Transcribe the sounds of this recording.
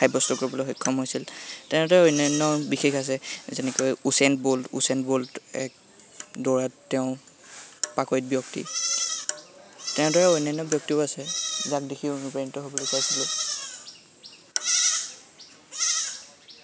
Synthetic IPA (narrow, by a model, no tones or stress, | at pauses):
kʰajbɔstɔkoɹibɔloɦɔkʰːɔmɦojsiltɛñdɔɹɛojnanːɔbixexas̬ɛzɛnɛkojusɛntboltṵsɛntboltɛ̰k | dɔɹatːɛʊ̃ | pakɔjt̚bjɔk̚tḭ | tɛ̃dɔɹɛojnajnːɔbjɔk̚tiʊasɛzak̚dikʰiunupainitɔɦobɔlojkʰoajsilʊ̃